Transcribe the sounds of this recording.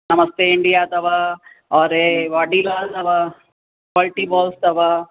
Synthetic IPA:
nɐmɐst̪eiɳɖijaːɐt̪ʰɐʋaː | ɔːɾeʋɐɖilaːlt̪ɐʋaː | kɐlʈiːbɔːlst̪ɐʋaː

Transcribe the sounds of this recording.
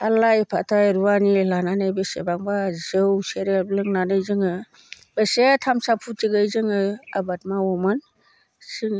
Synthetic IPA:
alajpʰatʰajɾuwanilananajbesḛbaŋbazɯwseɾeblɯŋnanɯjzɯŋɯ | b̥esetʰamsapʰutiɡɯjzɯŋɯabat̚mawɔmɯn | sɯŋ

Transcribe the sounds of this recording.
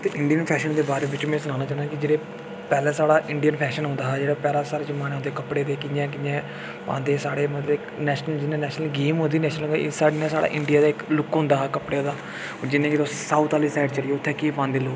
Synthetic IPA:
t̪eʔɪɳɖijənpʰɛːʃənd̪eːbaːɾeːbɪt͡ʃmɛ̃ːsʊnaːnaːt͡ʃaːnaːkɪd͡ʒeːɽeː | pɛːlɛːsaːɽaːʔɪɳɖijənpʰɛːʃənɦʊ̃nd̪aːɦɛd͡ʒeːɽaːpɛːlaːsaːɾeːzəmaːnːʊ̃nd̪eːkəpɽeːd̪eːkɪjãːk̬ɪjɛ̃ː | pã̰ːnd̪eːsaːɽeːmət̪ləbɪknɛːʃnəld͡ʒɪnẽːnɛːʃnəlɡiːmɦʊ̃nd̪iːnɛːʃnəlːd̪̰saːɽiːnãːsaːɽa̰ːʔɪɳɖijaːd̪aːɪklʊkːɦʊ̃nd̪aːɦːkəpɽeːd̪aː | d͡ʒɪnːẽːkɪt̪oːsaːut̪aːliːsaːɪɖt͡ʃəɽijoːʊt̪ʰːeːkiːpãːnd̪eːloː

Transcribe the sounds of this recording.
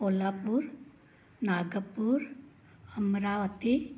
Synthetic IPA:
olapuɾ | naɡəpuɾ | əmɾaʋət̪i

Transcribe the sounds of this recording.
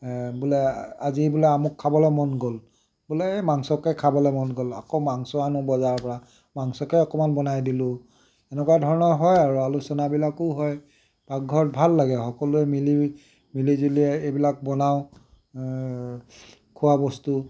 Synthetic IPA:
bulɛazibulɛamʊkʰːabɔlɛmɔnɡɔl | bulɛmaŋsɔkɛkʰabɔlɛmɔnɡɔla̰kɔmaŋsɔanʊbɔzaɹpɔɹa | maŋsɔkɛɔkɔmanbɔnajdilʊ̃ | ɛnɛkɔadʱɔɹɔnɔɹɦɔjaɹualusɔnabilakʊɦɔj | b̥aɡ̚ɡʱɔɹt̚bʱalːaɡɛxɔkɔlʊɛmili | milizoliɛejbilak̚bɔnaʊ̃ | kʰʊwabɔstu

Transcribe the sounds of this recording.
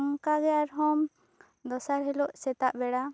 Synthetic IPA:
ŋkaɡɛaɾɦɔm | d̪ɔsaɾɦɛlɔʔsɛt̪aʔbɛɽa

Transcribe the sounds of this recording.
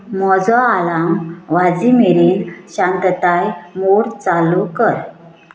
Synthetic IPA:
mɔd͡zɔalamʋad͡zimeɾiːnɕãnt̪ət̪ajmoɽt͡salukəɾ

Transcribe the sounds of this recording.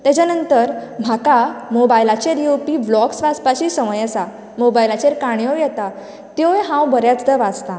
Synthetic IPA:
t̪jat͡ɕjanənt̪əɾm̤ʱakamobajlat͡ɕeɾjewpiːblɔksʋaspaɕiːsəməjəsa | mobajlat͡ɕeɾkaɳ̃jɔjɛt̪a | t̪ejɦãwbəɾjat͡sd̪əʋad͡zt̪ã

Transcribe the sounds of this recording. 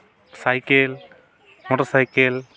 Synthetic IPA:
sajkel | mɔʈɔsajkel

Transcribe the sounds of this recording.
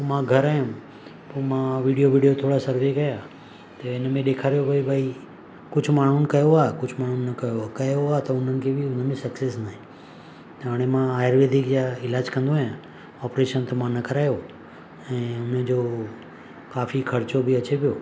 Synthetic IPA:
mãːɡʱəɾaːjʊ̃m | poːmãʋiɽijoʋiɖijot̪ʰoːɽasəɾʋekɐjaː | t̪ɐenmẽɗ̪eːkʰaːɾijobʱaːibʱaːi | kʊd͡ʒʰmaːɳ̤̃unkɐjoaːkʊd͡ʒʰʱmaːɳ̤̃unːɐkɐjoakɐjoaːt̪ɐʊn̤ənɪ̆kʰebʱiʊn̤əmẽsɐksesnaːɦẽ | t̪ɦaɽ̃emãajəɾʋed̪ʱɪkjaɪlaːd͡ʒkə̃nd̪ojã | ɔːpɾeːʃənt̪emãnɐkəɾaːjo | ɛ̃ːʊnə̃d͡ʒo | kaːfikʰɐɾt͡ʃobʱiət͡ʃʰepijoː

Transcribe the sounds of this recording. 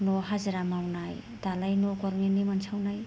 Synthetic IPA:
nɔɦazɾamawnaj | dalajnɔkɔɾmenimansʰawnaj

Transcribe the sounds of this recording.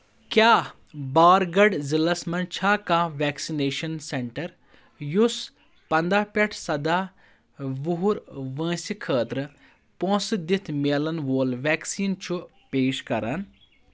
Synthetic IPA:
kjaː | baːɾɡɐɖzilɐsmɐnt͡ʃʰaːkãːʋɛːksineːʃɐnseɳʈəɾ | jus | pɐnd̪aːpʲɛʈʰsɐd̪aː | ʋuɦuɾʋə̃ːsikʰəːt̪ɾɨ | põːsd̪ɪt̪ʰmeːlɐnʋoːlʋɛːksiːnt͡ʃʰu | peːʃkɐ̰ɾɐn

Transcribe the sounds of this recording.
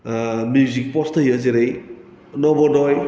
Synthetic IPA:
mjuzik̚pɔstʰəjəzeɾej | nɔbɔdɔj

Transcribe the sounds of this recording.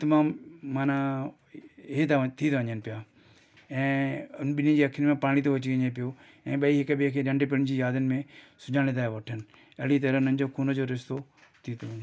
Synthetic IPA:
t̪ɐmaːmːaːna | ɦet̪at̪ʰit̪ʰʋə̃ɲənpɪjaː | ɛ̃ːʊnɓɪnĩd͡ʑiːɐkʰːɪnmẽpaːɽ̃it̪oʋɐt͡ɕiɡə̃ɲepɪjo | ɛ̃ːɓɐiɦɪkbekʰeɗɐ̃ɳɖep̬ɪɽ̃d͡ʑiːjaːd̪ɪnɪ̆mẽsʊd͡ʑaːɽ̃ẽt̪aːɦeʋɐʈʰən | ɐɽit̪eɾənəɲd͡ʑokʰuːnod͡ʑoɾɪst̪o | t̪ʰit̪ʰoʋ̃ɲ

